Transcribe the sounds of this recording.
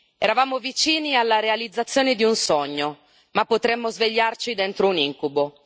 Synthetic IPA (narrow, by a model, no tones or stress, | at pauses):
ɛɾavaːmovit͡ʃiːnialːaɾealid̪zːat̪sːjoːned̪iunsɔɲːo | mapːot̪ɾɛmːozveʎːart͡ʃid̪ɛnt̪ɾouniŋkubo